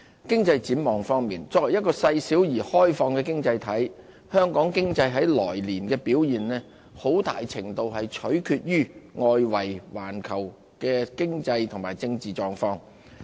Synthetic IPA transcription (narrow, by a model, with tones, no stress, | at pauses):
kɪ˥ŋt͡sɐ˧jt͡siː˨˥mɔː˨ŋfɔː˥ŋmiː˨nt͡sɔː˧˥k̚wɐ˨˩jɐ˥t̚kɔː˧sɐ˧jsiː˨˥wjiː˨˩hɔː˥jfɔː˧ŋkɛː˧kɪ˥ŋt͡sɐ˧jt̪ʰɐ˨˥j | hœː˥ŋkɔː˨˥ŋkɪ˥ŋt͡sɐ˧jɦɐ˨˥jlɔ̰ː˨˩jliː˨˩nkɛː˧piː˨˥wjiː˨nlɛː˥ | ho˨˥wt̪a̰ː˨jt͡sʰɪ˨˩ŋt̪o˧whɐ˨jt͡ʃʰɵ˨˥ɥkʰyː˧t̚jyː˥ŋɔː˧jwɐ˨˩jwaː˨˩nkʰɐ˨˩w | kɛː˧kɪ˥ŋt͡sɐ˧jt̪ʰʊ˨˩ŋmaː˨˩jt͡sɪ˧ŋt͡siː˨t͡ʃɔː˧ŋfɔː˥ŋ